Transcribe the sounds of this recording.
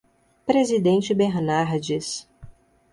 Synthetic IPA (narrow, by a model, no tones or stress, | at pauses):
pɾezid̪ẽnt͡ʃɪbeɾnaɾd͡ʒis